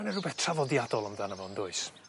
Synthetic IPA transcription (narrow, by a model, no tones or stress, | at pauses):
nərʊbɛθtʰravɔdjadɔlˠəmdanəvɔndʊɨs